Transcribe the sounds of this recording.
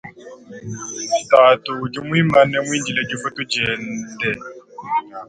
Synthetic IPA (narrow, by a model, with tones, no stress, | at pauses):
ita˨tu˨d͡ʒu˦mwi˦ma˦nɛ˦mwiː˦ndi˨lɛ˦d͡ʒu˦fu˦tu˦d͡ʒɛ˨ndɛ˦˨